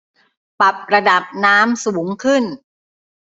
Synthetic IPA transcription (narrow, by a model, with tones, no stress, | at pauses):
pa˨˩p̚ɾa˧da˨˩p̚naː˦˥msuː˩˦ŋkʰɯ˥˩n